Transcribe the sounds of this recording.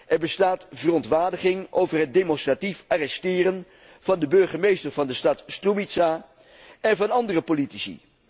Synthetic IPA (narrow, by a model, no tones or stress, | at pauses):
ʔɛɹbəstaːtv̥ərɔntʋaːɹdəχɪŋʔowvərɦət̚dejmɔnstratifʔarɛstɪːɾən | v̥ɑndəbɵɹχəmejstəɹvɑndəstɑtstrumitsaː | ɛnvɑnɑndərəpolitisḭ